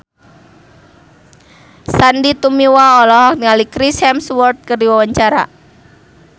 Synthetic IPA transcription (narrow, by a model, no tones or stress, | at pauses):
sandit̪umiwaɔlɔɦɔk̚niŋalikɾishɛmswɔrt̪̚kərdiwawaɲt͡ʃaɾa̰